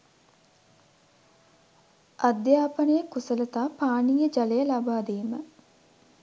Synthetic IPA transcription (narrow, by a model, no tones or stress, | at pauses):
ʔad̪jaːpənəjəkusələt̪aːpaːnijəd͡ʒalejəlabaːd̪iːmə